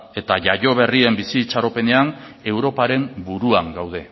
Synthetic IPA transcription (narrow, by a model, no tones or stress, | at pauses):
e̞t̪aʝaʝo̞βe̞rie̞mbisiːt͡ʃaɾo̞pe̞ne̞ane̞wɾo̞paɾe̞mbuɾuaŋɡawð̞e̞